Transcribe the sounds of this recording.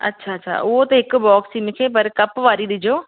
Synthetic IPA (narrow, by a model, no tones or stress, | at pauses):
ɐ̰tːɕʰaːɐtːʃʰa̰ʔʊɦot̪ɐɦɪkʊ̆bɔːksimɪkʰepɐɾkɐpʋaːɾiɗ̪ɪd͡ʑoː